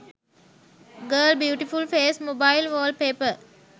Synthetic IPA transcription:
ɡəːlbjuːʈifulfeːsmobailʋəːl̚peːpə

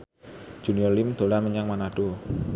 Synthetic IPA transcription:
d͡ʒ̥uniɔlimd̪̥o̤laməɲaŋmanaɖ̥o

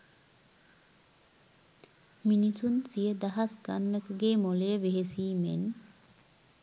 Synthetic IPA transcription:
minisunsijəd̪aɦasɡa̰nːəkəɡeːmolejəʋeɦesiːmḛn

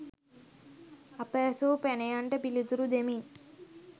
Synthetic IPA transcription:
ɐpeːsuːpenɐjɐɳʈepilit̪uɾud̪emin

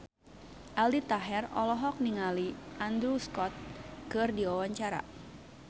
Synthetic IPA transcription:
ʔaldit̪aɦɛrɔ̰lɔɦɔk̚niŋaliʔand̪ɾuskɔt̪̚kɨrdiawaɲt͡ʃaɾa̰

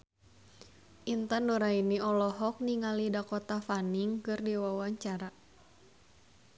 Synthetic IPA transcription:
ʔint̪andoɾainiɔlɔɦɔk̚niŋalidakɔt̪afaniŋkɨrdiwawaɲt͡ʃaɾa

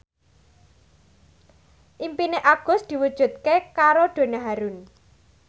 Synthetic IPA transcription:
ʔimpineʔab̚ɡ̥ʊ̤sd̪̥i̤wud̥ʒ̥ṳt̪̚kekaɾoɖ̥o̤naɦaɾun

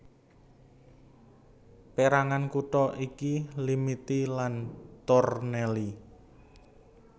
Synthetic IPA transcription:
peɾaŋankuʈɔʔikilimit̪ilant̪ɔrneli

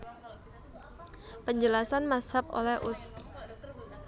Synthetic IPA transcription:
pəɲd͡ʒəlasanmasapo̰lɛhʔus

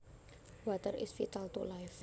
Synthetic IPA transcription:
wat̪ərɪ̰sfit̪alt̪ṵlajf

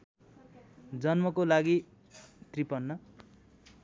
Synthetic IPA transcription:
d͡zʌnmʌkolaɡi | t̪ripʌnːʌ

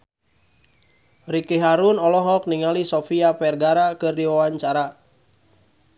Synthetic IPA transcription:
rikeɦaɾunɔlɔɦɔk̚niŋalisofiapɛrɡaɾakɨrdiwawaɲt͡ʃaɾa

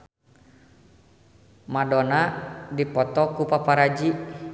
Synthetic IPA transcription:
madɔnadipɔt̪ɔkupapaɾad͡ʒi

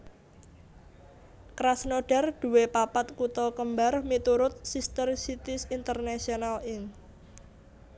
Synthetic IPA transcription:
kɾasnoɖ̥a̤rd̪̥ṳwepapat̪kut̪ɔkəmbarmit̪uɾʊt̪̚sist̪ərsit̪ɪsint̪ərnasionalɪŋ

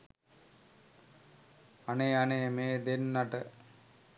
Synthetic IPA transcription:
aneanemeːd̪enːaʈə

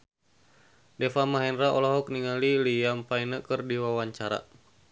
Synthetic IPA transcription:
dɛfamaɦɛnraʔɔlɔɦɔk̚niŋalilijampainəkɨrdiwawaɲt͡ʃaɾa̰

